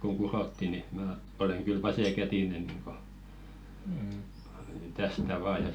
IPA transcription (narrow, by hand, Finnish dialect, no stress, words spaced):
koŋ kurotːi ni mæˑ oleŋ kyl ʋɑseˑkætinen niŋko tæstæ ʋɑː jɑ